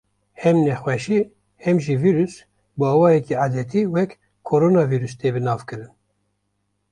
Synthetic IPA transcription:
hɛmnɛxwɛʃi | hɛmʒiviːɾus | bɨɑːwɑːjɛkiad̪ɛt̪ʰiːwɛk | kʰːoɾoːnɑːviːɾyst̪ʰeːbɨnɑːvkɨɾɨn

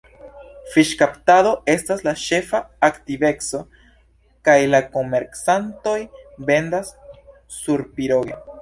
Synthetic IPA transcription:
fiʃkaptado̞e̞staslaʃe̞faːktive̞kso̞ | kajlako̞me̞ɾksanto̞jbe̞ndasː | uɾpiɾo̞ɡe

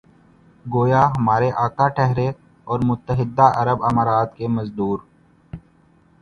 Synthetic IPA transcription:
ɡoːjaɦɐmaːɾeʔaːkaʈʰɛɦɾe | ɔːɾmʊt̪ːəɦɪd̪ːaʔɐɾəbɐmaːɾaːt̪kemɐzd̪uːɾ

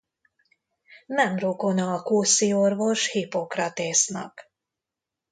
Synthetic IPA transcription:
mɛmrokonɒːkoːsio̞rvo̞ʃhipo̞krɒt̪eːsnɒ̰k

